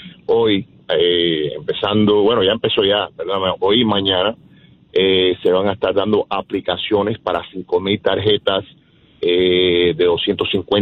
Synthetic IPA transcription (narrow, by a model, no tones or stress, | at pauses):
o̞j | eḛmpe̞sand̪o̞bwe̞no̞ʝaempe̞so̞ʝapeɾðonameʔojmãɲãna | ese̞βaŋaest̪aɾðand̪o̞ʔaplikasjo̞ne̞spaɾasiŋko̞milt̪aɾɦe̞t̪as | eðe̞ðo̞sjent̪o̞siŋkwen